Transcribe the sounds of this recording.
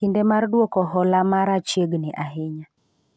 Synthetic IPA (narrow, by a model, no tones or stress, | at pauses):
indemardwokɔɦɔlamaɾat͡ʃjeɡnɛʔaɦɪɲa